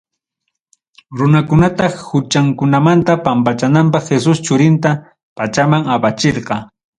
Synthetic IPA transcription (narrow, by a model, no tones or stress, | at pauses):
ɾʊnakʊnat̪ɑhʊt͡ʃaŋkʊnamant̪apampat͡ʃanampɑχxesʊst͡ʃʊɾɪnt̪a | pat͡ʃamaŋapat͡ʃeɾqɑ